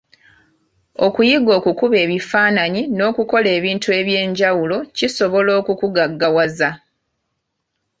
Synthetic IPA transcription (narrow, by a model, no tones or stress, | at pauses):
o̞kujiɡo̞ːkukuβe̞ːβifaːnaɲino̞ːkuko̞le̞ːβiːntue̞βjeːɲɟawulo̞ciso̞βo̞lo̞ːkukuɡaɡːawaza